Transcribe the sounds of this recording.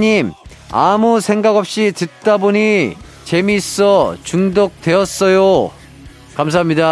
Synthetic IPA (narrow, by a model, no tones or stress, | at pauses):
ɲim | a̰musʰe̞ŋɡaɡʌp̚ɕ͈itɯt̚t͈aboɲi | t͡ɕe̞mis͈ʌt͡ɕuŋdok̚t͈we̞ʌs͈ʌjo | kams̬ʰaɦamɲida